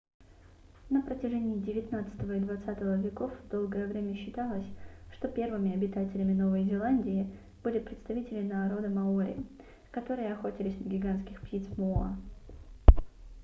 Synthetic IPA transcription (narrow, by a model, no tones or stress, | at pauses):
nəpɾətʲɪʐɛnʲɪːdʲɪvʲɪt̪nat̪sɨ̥t̪əvəid̪vɐt̪sat̪əvəvʲɪko̞fd̪o̞lˠɡəjəvɾʲemʲəɕːɪt̪alˠəsʲʂt̪o̞pʲe̞rvɨmʲɪɐbʲɪt̪atʲɪlʲɪmʲɪno̞vəjzʲɪlˠanʲdʲɪɪ | b̥ɨlʲɪpɾʲɪt̪st̪ɐvʲitʲɪlʲɪnɐːɾo̞d̪əmɐoɾʲɪ̰ | kɐt̪o̞ɾɨjəɐxo̞tʲɪlʲɪsʲnəɡʲɪɡanskʲɪxptʲit̪smʊa̰